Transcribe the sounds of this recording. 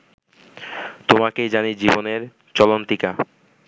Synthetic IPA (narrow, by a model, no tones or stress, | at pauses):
t̪omakejd͡ʑanid͡ʑiboneɾ | t͡ɕɔlont̪ika